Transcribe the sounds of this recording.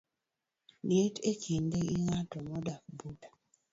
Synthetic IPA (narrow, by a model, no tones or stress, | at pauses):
njetekindeiŋatɔmɔdakbuta